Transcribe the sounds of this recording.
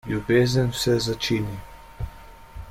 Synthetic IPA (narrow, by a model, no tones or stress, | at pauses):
ljubeːzənsɛzat͡ʃiːni